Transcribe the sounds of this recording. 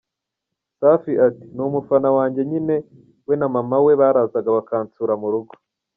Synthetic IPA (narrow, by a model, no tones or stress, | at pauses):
saːfiʔati̥numufanawaːɲɟe̞ɲine̞ | we̞namamawe̞βaːɾazaɡaβakaːnt͡suːɾamuɾuɡo̥